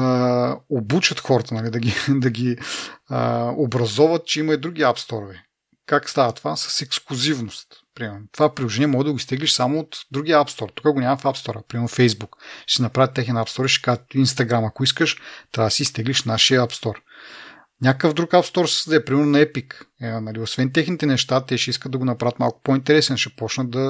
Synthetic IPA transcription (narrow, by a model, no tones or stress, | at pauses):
obut͡ʃɐt̪xɔɾɐt̪ənɐlid̪ɐɡʲid̪ɐɡʲiəobɾɐzɔvɐt̪̚t͡ʃɛimɐid̪ɾuɡ̟iapst̪ɔɾovɛ | kakst̪avət̪ovasə̥sɛksklˠuzivnost̪pɾimɛɾnot̪ovapɾʲilˠoʒɛnʲiɛmɔɡəd̪ɐɡʊist̪ɛɡliʃsamoːt̪d̪ɾuɡʲiəapst̪ɔɾt̪u̥kəɡonʲamɐfapst̪ɔɾəpɾimɛɾnofɛjzbukʃsɛnɐpɾavʲjət̪ːɛxnɛnapst̪ɔɾiʃkat̪ʊinst̪ɐɡɾamɐkoiskəʃt̪ɾad̪siist̪ɛɡliʃnaʃiəapst̪ɔɾ | nʲakəvd̪ɾukapst̪ɔɾsɛ̥sd̪ɛpɾimɛɾnonɐɛpiknɐliosvɛnt̪̬ɛxnit̪ɛnɛʃt̪at̪ɛʃɛiskət̪d̪ɐɡonɐpɾavət̪malˠkʊ̥point̪ɛɾɛsɛnʃɛpɔt͡ʃnəd̪ɐ